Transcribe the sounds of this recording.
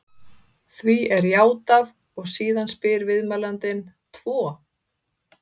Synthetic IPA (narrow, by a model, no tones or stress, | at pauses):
θviɛɾjaːwt̪að | ɔɣsiːðanspɪɾvɪðmaːlant̪ɪn | t̪ʰvɔː